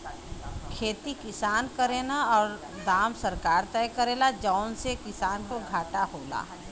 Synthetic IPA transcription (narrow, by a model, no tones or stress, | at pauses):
kʰeːt̪ikɪsaːnkəɾeːnaɔːɾ | d̪aːmsəɾkaːɾt̪ɛjkəɾeːlad͡ʒaʊnsekɪsaːnkoɡʱaːʈaɦoːla̰ː